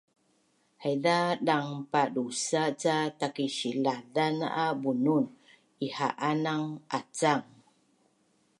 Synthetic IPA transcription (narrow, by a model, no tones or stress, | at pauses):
hajðaɗaŋpaɗusat͡satakiɕiladana̰ʔabunun | ihaʔanaŋʔat͡saŋ